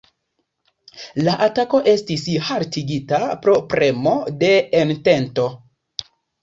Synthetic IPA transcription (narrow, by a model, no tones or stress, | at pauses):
laʔatako̞ʔe̞stishaɾtiɡitapɾo̞pɾe̞mo̞de̞ːnte̞nto̞